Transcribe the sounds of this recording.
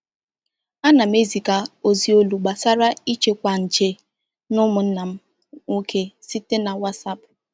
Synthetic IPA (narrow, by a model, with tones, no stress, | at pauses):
a˦na˨m˦e˦zi˨ka˨o˨zi˨o˦lu˨ɡ͡ba˨sa˦ɾa˦i˦t͡ʃe˦kʷa˨n̩˨t͡ʃe˦ | nʊ˦mʊ˨n̩˦na˨m̩˦ | o˦kʰe˦si˦te˦na˨wa˦tsa˦pʊ˨